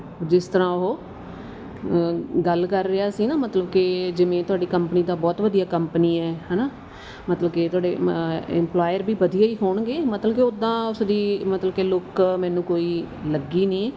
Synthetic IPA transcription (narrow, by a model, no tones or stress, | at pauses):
d͡ʒɪst̪əɾãːʊɦoː | ɡəlkəɾːeaːsiːnaːmət̪ləbkɪd͡ʒɪʋẽːt̪ʊaːɖiːkəmpniːd̪aːbɔːt̪ʋəd̪ijaːkəmpəniːɛːɦɛːnaː | mət̪ləbket̪ʊaːɖeːɪ̰mplaːjəɾbiːʋəd̪ijaːiːɦoːɳɡeːmət̪ləbkeod̪ãːʊsd̪iːmət̪ləbkelʊkmɛ̃ːnũːkoːiː | ləɡiːnĩː